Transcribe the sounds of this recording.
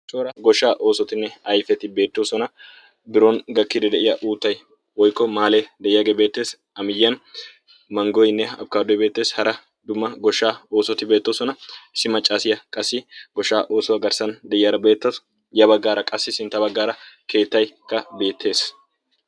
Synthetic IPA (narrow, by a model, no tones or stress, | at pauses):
t͡ʃʼoːɾɐɡɔʃːaːʔo̞ːsɔt̪ɪnːɛɐjfɛt̪ɪbe̞ːt̪ːoːsɔnɐ | bɪɾoːnɡɐkːɪd̪ɛd̪ɛʔɪjɐʔuːt̪ːɐj | wɔjkːɔmaːleːd̪ɛʔɪjaɡeːbeːt̪ːe̞ːs | ɐmɪjːɐn | mɐŋɡɔjnːɛɐ̰b̚kaːd̪ɔjbe̞ːt̪ːe̞ːshɐɾɐ | d̪ʊmːɐɡɔʃːaːo̞ːsɔt̪ɪbe̞ːt̪ːoːsɔnɐsɪmɐt͡ʃʼːaːsɪjɐkʼɐsːɪɡ̥ɔʃːaːʔo̞ːsɔwɐɡɐɾsɐnd̪ɛʔɪjɐɾɐbe̞ːt̪ːɐs | jɐbɐɡːaːɾɐkʼɐsːɪsɪnt̪ːɐbɐɡːaːɾɐke̞ːt̪ːɐjkːɐbe̞ːt̪ʰːe̞ːs